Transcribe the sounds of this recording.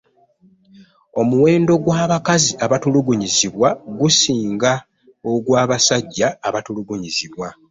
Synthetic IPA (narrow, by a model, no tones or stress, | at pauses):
o̞muwe̞ːndo̞ɡwaːβakaziaβatuluɡuɲiziβwaɡusiːŋɡa | oɡwaːβasaɟːaːβatuluɡuɲiziβwa